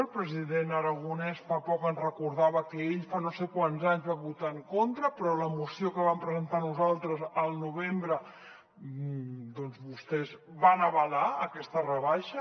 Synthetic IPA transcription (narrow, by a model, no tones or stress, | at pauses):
əlˠpɾəziðenəɾəɣunɛsfapɔkənzrəkuɾð̞aβəkəeʎfanosekwanzaɲzβambut̪aŋkont̪ɾəpɾɔləmusiokəβampɾəzənt̪anuzalˠt̪ɾəzəlˠnuβembɾə | d̪ɔnzβust̪ɛzβanəβəlaəkɛst̪ərəβaʃə